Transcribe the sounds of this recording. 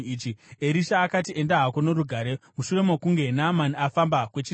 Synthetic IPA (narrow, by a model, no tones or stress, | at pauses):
it͡ʃieɾiʃaːkat̬iʔe̞ndaɦakonoɾuɡʱaɾe̞muʃure̞mokuŋɡe̞namaniafambakwe̞t͡ʃi